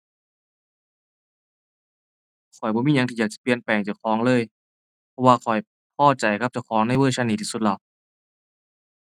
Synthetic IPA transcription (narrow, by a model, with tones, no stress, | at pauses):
kʰɔ˨˩jbɔ˧˦miː˧˥˨ɲa˧˦ŋt̪i˧˩jaː˨˩k̚t͡ɕḁ˨˩pi˧˨ənpɛː˨˩ŋt͡ɕa˨˩kʰɔː˨˦ŋlɤː˧˨j | pʰɔ˧waː˧kʰɔ˨˩j | pʰɔː˧˥˩t͡ɕa˨˩jkʰa˧˥p̚t͡ɕa˧˩kʰɔː˨˦ŋna˧˥˩jwɤː˧˥˩t͡ɕʰa˧˥ni˧˩t̪ʰiː˧˩su˧t̪̚la˧˩